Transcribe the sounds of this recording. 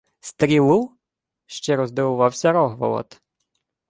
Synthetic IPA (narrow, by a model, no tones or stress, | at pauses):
st̪ɾilu | ʃt͡ʃɛɾɔzd̪ɛwuvawsʲaɾɔɦvɔ̰lˠɔ̰t̪